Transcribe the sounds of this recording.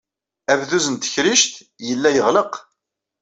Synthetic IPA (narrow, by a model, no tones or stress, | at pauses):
ævðuzənt̪ə̥çɾiʃt̪ | jəlːæjəʁləq